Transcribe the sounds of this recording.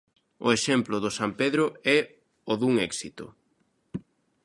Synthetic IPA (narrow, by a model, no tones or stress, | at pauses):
ʊ̰eʃɛmplʊðʊsampeðɾʊɛ | ʊðuŋɛksit̪ʊ̰